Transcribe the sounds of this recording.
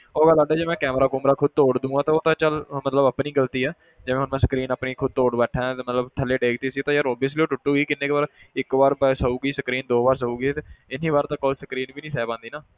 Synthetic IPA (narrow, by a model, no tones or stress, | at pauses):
oːɡəlːaɖɛːd͡ʒeːmɛ̃ːkɛːmɾaːkʊmɾaːkʰʊd̪̚t̪oːɽd̪ũːãːt̪ãːoːt̪ãːt͡ʃəlmət̪ləbəpniːɡəlt̪iːɛː | d͡ʒeʋẽɦʊnmɛ̃ːsə̥kɾiːnaːpniːkʰʊd̪̚t̪oːɽbɛːʈʰɛ̃mət̪ləbt̪ʰəleːɖeːkt̪eːsiːt̪ãːjaːɾoːbɪːsliːoːʈʊʈːuːɡiːkɪnːeːkpəɾɪkʋaːɾbsəuːɡiːsəkɾiːnd̪oːbaːɾs̬əuːɡiːt̪ːɪniːʋaːɾt̪ãːkoːlsəkɾiːnʋiːnĩːsɛːpãːnd̪iːnaː